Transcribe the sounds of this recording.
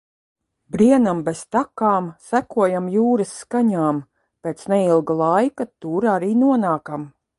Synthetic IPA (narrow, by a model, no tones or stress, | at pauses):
bɾiɛnambest̪akaːmsækuɔjamjuːɾəsːkaɲaːm | pʲeːt̪sneɛilˠɡalˠajkat̪uːɾaɾiːnuɔnaːkam